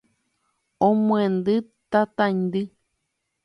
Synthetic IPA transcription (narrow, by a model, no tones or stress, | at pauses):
õmũẽnd̪ɨt̪at̪ãind̪ɨ